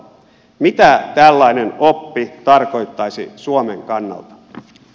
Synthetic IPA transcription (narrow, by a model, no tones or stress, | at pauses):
mit̪æt̪ælːɑinenopːit̪ɑrko̞jt̪ːɑjsḭsuomeŋkɑnːɑ̰lt̪ɑ̥